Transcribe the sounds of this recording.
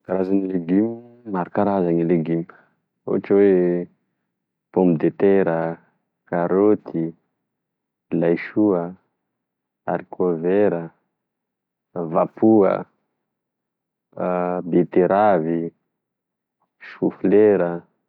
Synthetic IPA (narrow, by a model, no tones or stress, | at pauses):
kaɾazanileɡim | maɾakaɾazanileɡim | o̰aʈ͡ʂwe | pombid̪et̪eɾə | kaɾot̪ʰi | lajʃuə | a̰ɾikʰoveɾə | vapuə̰ | bet̪eɾavi | ʃufleɾə